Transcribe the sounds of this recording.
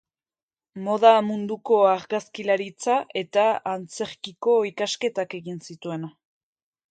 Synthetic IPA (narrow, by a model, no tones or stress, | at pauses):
mo̞ðamund̪uko̞aɾɣaskilaɾit͡sae̞t̪aant͡se̞ɾkiko̞ikaske̞t̪ake̞ɣinsit̪ue̞na